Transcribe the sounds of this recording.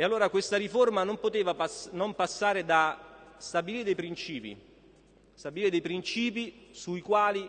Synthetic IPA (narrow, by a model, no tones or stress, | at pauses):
ealːoːɾakwest̪aɾiformanompot̪eːvapanompasːaːɾed̪ast̪abiliːɾed̪ejpɾint͡ʃiːpḭ | st̪abiliɾed̪ejpɾint͡ʃiːpisuikwaːli